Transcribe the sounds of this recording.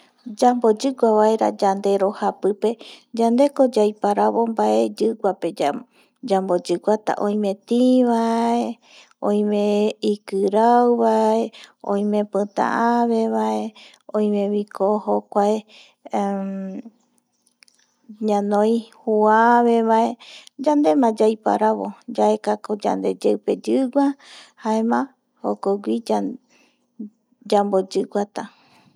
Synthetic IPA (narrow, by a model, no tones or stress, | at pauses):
d͡ʒambod͡ʒɨɡʷaβaeɾa̰d͡ʒand̪e̞ɾohapɨpe̞d͡ʒand̪e̞ko̞d͡ʒajpaɾaβombaʔe̞d͡ʒɨɡʷape̞d͡ʒa | d͡ʒambod͡ʒɨɡʷat̪a̰ʔõj̃mẽt̪iβae | õj̃mẽikɨɾawβaeõ̰j̃mẽ̞pɨ̃t̪ã̰ʔaβe̞βaʔe̞ | õj̃mẽβikʰohokʷae | ɲãnõj̃huaβeβaʔe̞d͡ʒãnd̪e̞mãd͡ʒajpa̰ɾaβo̰d͡ʒaʔekakod͡ʒa̰nd̪e̞d͡ʒewpe̞d͡ʒɨɡʷahaemã | ho̰koɡʷia | d͡ʒambod͡ʒɨɡʷat̪a